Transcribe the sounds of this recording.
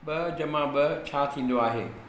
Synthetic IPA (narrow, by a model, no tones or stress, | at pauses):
ɓɐd͡ʑɐmãɓɪt͡ɕʰaːt̪ʰĩːn̆d̪oaːɦḛː